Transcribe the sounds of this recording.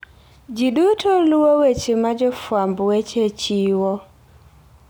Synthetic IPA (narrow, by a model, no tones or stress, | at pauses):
d͡ʒiɗutʰoluwowet͡ʃemad͡ʒɔfwambwet͡ʃet͡ʃiwɔ